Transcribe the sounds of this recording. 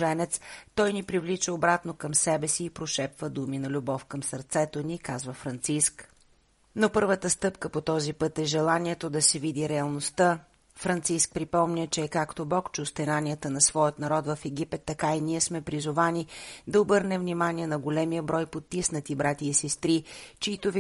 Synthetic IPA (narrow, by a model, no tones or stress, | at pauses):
ʒɛnɛt̪st̪ɔjnipɾivlit͡ʃəobɾat̪nokəmsɛbɛsiːpɾoʃɛpvəd̪uminɐlʲubɔfkəmsəɾt̪sɛt̪onikazvəfɾɐnt̪sisk | nopɤɾvət̪əst̪ɤpkəpot̪ɔzipɤt̪ɛʒɛlˠaniɛt̪od̪ɐsɛvid̪iɾɛɐlˠnost̪ə | fɾɐnt̪sisk̚pɾipɔmnʲət͡ʃɛːkakt̪obɔkt͡ʃɛʊst̪ɛnanijət̪ənɐsvɔjət̪nɐɾɔt̪vəfɛɡ̟ipɛt̪ːɐkainiɛsmɛpɾizʊvanid̪ɐobɤɾnɛvnʲimaniɛnɐɡolɛmijəbɾɔjpot̪ːisnət̪ibɾat̪ʲiːsɛst̪ɾit͡ʃiit̪ov